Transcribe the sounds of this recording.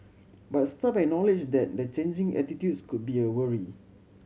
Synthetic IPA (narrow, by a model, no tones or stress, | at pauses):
bat̚stapɛk̚nɔlid͡ʒdɛt̚dət͡ʃẽnd͡ʒɪ̃ŋɛ̰titjudskud̚biəwəɹi